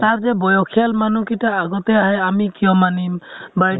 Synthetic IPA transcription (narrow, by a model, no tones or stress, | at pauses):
t̪aɹzɛbɔjɔkʰialmanukitaaɡɔt̪ɛaɦɛamikijɔmanimbaj